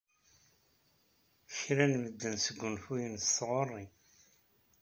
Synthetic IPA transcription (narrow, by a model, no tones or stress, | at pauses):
çɾænməd̪ːənsəɡʷːʊnfujənsθʁorˤːi